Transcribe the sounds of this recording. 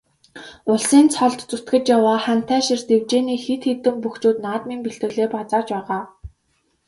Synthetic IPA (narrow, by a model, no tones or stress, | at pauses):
ʊɮsiːnt͡sʰɔɮt̪t͡sut̪ɡɘ̆t͡ɕjawaːχæm̥t̪ʰæːʃĭrt̪ewt͡ɕeːniːxet̪xet̪ɘ̆mpuxt͡ɕuːt̪naːt̪miːmpiɬt̪ɘ̆ɣɮeːpat͡saːt͡ɕpæːʁaː